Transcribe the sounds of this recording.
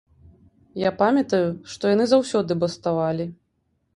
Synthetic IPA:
japamʲɐt̪ɐjuʂt̪ɔjanɨzawsʲɔd̪ɨbɐst̪avalʲi

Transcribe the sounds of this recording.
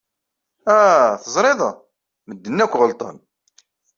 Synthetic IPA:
æθəzˤɾˤeðˤɑ | məd̪ːənːækʷːʁəlt̪ˤə̰n

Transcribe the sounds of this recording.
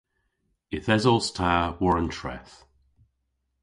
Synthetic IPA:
ɪθɛzɔlˠstʰaəwɔɹə̃ntʰɹ̥ɛ̰θ

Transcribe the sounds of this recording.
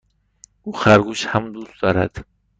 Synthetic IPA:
uχaɾɡuʃhamd̪usd̪ɔɾa̰d̪̥

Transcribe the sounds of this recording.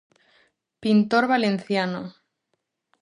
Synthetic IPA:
pint̪oɾβalen̟θjano

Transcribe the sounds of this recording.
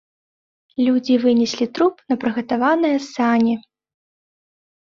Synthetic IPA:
lʲud͡zʲivɨnʲɛsʲlʲit̪ɾupnɐpɾɨɣɐt̪avanɨjɐsanʲi

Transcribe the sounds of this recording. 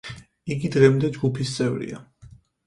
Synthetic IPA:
iɡid̪ʁɛmd̪ɛd͡ʒɡupʰist̪sʼɛvɾḭa̰

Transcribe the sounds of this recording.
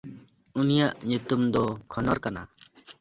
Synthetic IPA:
unijaʔɲut̪umd̪ɔkʰɔnɔɾkana̰

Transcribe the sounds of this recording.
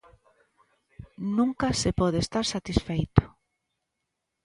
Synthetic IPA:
nũŋkasepɔð̞eːst̪aɾsat̪isfejt̪ʊ̥

